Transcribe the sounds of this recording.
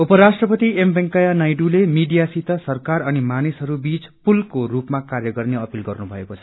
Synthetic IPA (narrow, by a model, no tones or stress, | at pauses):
upʌɾasʈrʌpʌt̪iembeŋkʌjanajɖulemiɖijasit̪ʌsʌrkaɾʌnimanisɦʌɾubit͡spulkoɾupmakarjʌɡʌrneʌpilɡʌrnubʱʌekot͡sʰʌ̥